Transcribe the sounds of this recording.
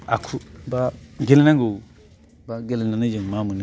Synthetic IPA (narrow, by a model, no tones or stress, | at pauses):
akʰubaɡelnaŋɡou | baɡelnanad͡ʒiŋmamuni